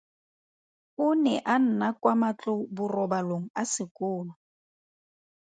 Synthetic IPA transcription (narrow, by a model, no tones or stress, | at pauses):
ʊnɛʔan̩nakwamat͡ɬʼobʊrɔbaloŋ̩asɪkʼʊːlɔ